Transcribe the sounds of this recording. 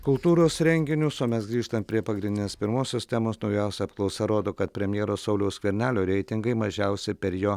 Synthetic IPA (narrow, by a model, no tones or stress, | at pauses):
kʊlˠt̪uːɾoːsɾʲɛŋʲɡʲɪnʲʊsoːmʲɛsɡɾʲiːʃt̪ɐmpʲɾʲiɛpɐɡɾʲɪ̃nd̪ʲɪnʲeɛspʲɪɾmoːsʲoːst̪ʲæːmoːsnɒʊjɛʊsʲɛɐp̚klˠɒʊsɛɾoːd̪oːkɐt̪pʲɾʲɛmʲjɛːɾoːsɐʊlʲɛʊskʋʲɛɾʲnʲæːlʲoːɾʲɛɪt̪ʲɪŋɡɐɪmɐʒʲɛʊsʲɪpʲɛɾjoː